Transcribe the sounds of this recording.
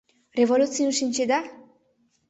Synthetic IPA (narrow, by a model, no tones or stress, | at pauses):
revolutt͡siunʃinʲt͡ɕed̪a